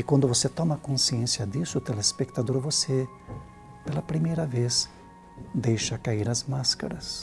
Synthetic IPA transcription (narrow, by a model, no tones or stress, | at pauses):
ɪkwɐ̃nd̪ʊvoset̪ɔmɐkõsiẽnsjɐd̪isʊt̪elespek̚t̪ad̪oɾvose | pelɐpɾimejɾɐves | d̪ejʃɐkaiɾɐzmaska̰ɾɐs